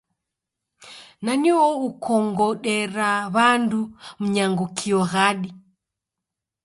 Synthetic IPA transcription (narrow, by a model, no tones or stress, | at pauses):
naniwɔukʰɔŋɡɔɗɛɾaβandum̩ɲaŋɡukʰiɔɣaɗi